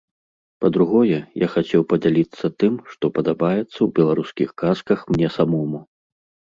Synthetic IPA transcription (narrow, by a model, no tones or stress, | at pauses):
pɐd̪ɾuɣɔjɛja̰xat͡sʲɛwpɐd͡zʲalʲit̪sːɐt̪ɨmʂt̪ɔpɐd̪abajɛt̪sːɐwbʲɛlˠaɾuskʲixkaskɐxmnʲɛsamɔmu